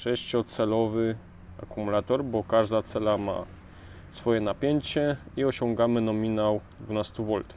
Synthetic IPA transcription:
ʂɛɕt͡ɕɔt̪sɛlɔvɘ | a̰kumulat̪ɔɾbɔkaʐd̪at̪sɛlama̰ | sfɔjɛnapʲjeɲt͡ɕɛiɔɕɔŋɡamɘnɔmʲinawd̪vunast̪uvɔlt̪

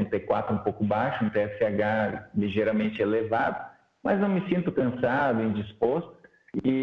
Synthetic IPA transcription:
t̪ekwat̪ɾʊũpowkʊbajʃʊũt̪eɛsɪaɡaliʒeɾɐmẽnt͡ʃɪelevad̪ʊ | mɐznɐ̃w̃mɪsĩnt̪ʊkɐ̃sad̪ʊẽd͡ʒispost̪ʊ̥ | ɪ

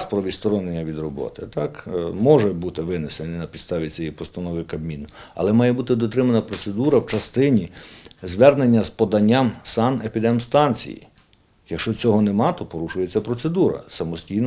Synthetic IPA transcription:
spɾɔʋʲist̪ɔɾɔnenʲːɐʋʲid̪rɔbɔ̰t̪ɪt̪ɑkmɔʒɛbut̪ɪʋɪnesenʲinɐpʲid̪st̪ɑʋʲit͡sʲɛjipɔst̪ɐnɔʋɪkɐbmʲinɐ̰lˠɛmɑjɛbut̪ɪd̪ɔt̪ɾɪmɐnɐpɾɔt̪se̞d̪uɾɐwt͡ʃɐst̪ɪnʲizʋɛrnenʲːɐzpɔd̪ɐnʲːamsɑnepʲid̪ɛmst̪ɑnʲt͡sʲḭjḭ | jɐkʃt͡ʃɔt͡sʲɔɦɔnɛmɑt̪ɔpɔɾuʃʊjet͡sʲːɐpɾɔtse̞d̪uɾɐ̰sɐmɔsʲtʲijn

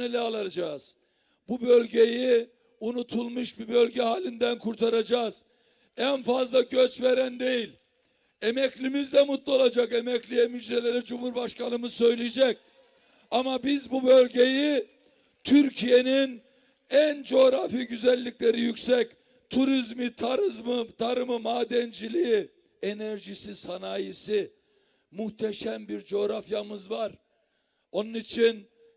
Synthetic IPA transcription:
elʲɛalˠad͡ʒaːz̥ | bubølʲɟe̞ji | unut̪ʰulˠmuʃbibø̞lʲɟɛɦaːlʲind̪ænkʰuɾt̪ʰaɾad͡ʒaːz̥ | ænfazlˠaɟøt͡ʃve̞ɾænd̪e̞jilʲ | emɛclʲimizd̪ɛmut̪lˠuo̞lˠad͡ʒakemɛclʲijɛmyd͡ʒd̪elʲe̞ɾid͡ʒumhuɾbaʃkʰanɯmɯzsø̞jlʲijd͡ʒɛc̚ | amabizbubø̞lʲɟeji | t̪ʰyɾcʰije̞nin | ænd͡ʒo̞ːɾafiɟyzælʲːicʲlʲe̞ɾijycsɛc | t̪ʰuɾizmit̪ʰaɾɯzmɯt̪ʰaɾɯmɯmaːd̪ɛnd͡ʒilʲii | enæɾʒisisanaːjisi | muxt̪ʰɛʃæmbiɾd͡ʒo̞ːɾafjamɯzvaɾ | o̞nunit͡ʃʰin

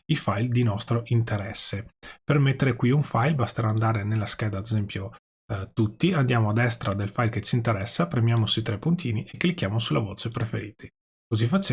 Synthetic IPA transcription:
ifajld̪inɔst̪ɾoʔint̪eɾɛsːepermet̪ːeɾekwiuɱfajlbast̪eɾaːnd̪aːɾenelːask̟ɛːd̪aːd̪ezɛmpjo | t̪ut̪ːiand̪jaːmoad̪ːɛst̪ɾad̪elfajlket͡ʃiːnt̪eɾɛsːapɾemjaːmosuit̪ɾɛpːunt̪iːniʔekːelikjaːmosulavoːt͡ʃepɾefeɾiːt̪ʰe̥ | kozifat͡ʃːa

